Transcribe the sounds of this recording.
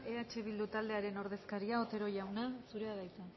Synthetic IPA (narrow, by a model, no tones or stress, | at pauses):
e̞at͡ʃe̞βild̪ut̪ald̪eaɾe̞no̞ɾð̞e̞skaɾiao̞t̪e̞ɾo̞ʝawnasuɾe̞aðajt͡s̪a